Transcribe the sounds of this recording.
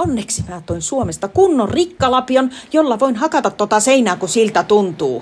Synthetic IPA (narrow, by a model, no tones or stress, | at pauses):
onːeksimæːt̪oinsuomest̪ɑkunːorrikːɑlɑpionjolːɑʋoinhɑkɑt̪ɑt̪t̪ot̪ɑseinæːkusilt̪æt̪unt̪uː